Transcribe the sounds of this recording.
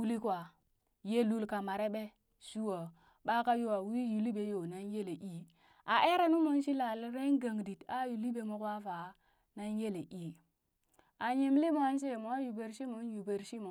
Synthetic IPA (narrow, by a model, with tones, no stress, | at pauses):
u˦li˦kwa˨ | je˦lu˦lka˨ma˨ɾe˦ɓe˦ | su˦wo˨ | ɓa˦ka˦jo˦wa˨wi˦ju˨li˦be˨jo˨na˦nje˦le˨ʔi˦ | a˨ʔe˦ɾe˦nu˦mo˦nʃi˦la˨lɾe˦nɡa˨ŋdi˨ta˦ju˨li˦be˨mo˨ka˦fa˨˦ | na˦nje˦le˨ʔi˦ | a˨ɲi˨mli˦mo˨˦a˦n˦s̬e˦˨mo˨a˦ju˨be˨ɾʃi˦mo˨˦n˦ju˨be˨ɾʃi˦mo˨